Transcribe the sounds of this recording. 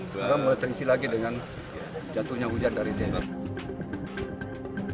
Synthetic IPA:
səkaɾaŋməlat̪əɾisilaɡidəŋan | d͡ʒat̪uhɲaud͡ʒandaɾidenan

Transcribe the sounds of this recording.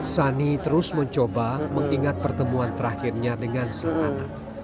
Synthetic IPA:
sanit̪əɾʊsməɲt͡ʃobaməŋiŋat̪̚pərt̪əmuant̪əɾahɪrɲadəŋansəŋana

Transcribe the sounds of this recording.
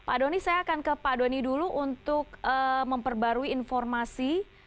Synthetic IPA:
padonisajaːkankəpadoniduluʔunt̪ʊkəməmpərbaɾuiːnfɔrmasi

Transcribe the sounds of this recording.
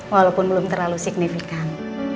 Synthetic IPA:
walopʊnbəlʊmt̪ərlalusik̚nifikan

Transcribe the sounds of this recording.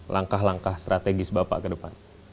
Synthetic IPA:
lʔaŋkaɦlaŋkahst̪ɾat̪eɡɪsbapa̰ʔkədəpan

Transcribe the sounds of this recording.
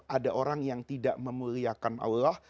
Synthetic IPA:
ʔadaʔoɾaŋjaŋt̪idaʔməmuɾiakanʔa̰wlah

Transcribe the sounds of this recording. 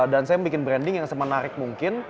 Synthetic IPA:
dansajambikɪnbɾɛndɪŋjaŋsəmənaɾɪk̚muŋkɪn

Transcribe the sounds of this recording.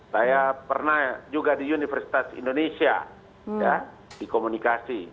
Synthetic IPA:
sajapərnahd͡ʒuɡadiunifɛrsi̥t̪asḭndonesia̰ | ja | dikomunikasi

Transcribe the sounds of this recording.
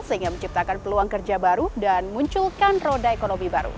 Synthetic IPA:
səɦiŋɡaməɲt͡ʃip̚t̪akanpəluaŋkərd͡ʒabaɾudanmuɲt͡ʃulkanrodaekonomibaɾṵ

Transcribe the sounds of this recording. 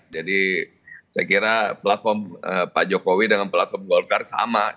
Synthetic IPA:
d͡ʒadi | sajkiɾaplat̪̚fɔməpad͡ʒokowidəŋanplat̪fɔrmɡɔlfɛrsa̰ma

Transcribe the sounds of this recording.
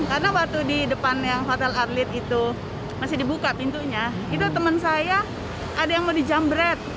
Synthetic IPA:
karənabat̪udidəpanjaŋfat̪alarlɪt̪̚it̪u | masɪdibukapint̪uɲa | it̪ut̪əmənsaja | adajaŋmodihd͡ʒambɾɛt̪̚

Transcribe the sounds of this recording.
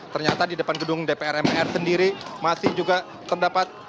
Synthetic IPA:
t̪ərɲat̪adidəpanɡədʊŋdepeɛɾɛmpeɛrsəndiɾimasɪhd͡ʒuɡa | t̪ːərdapat̪̚

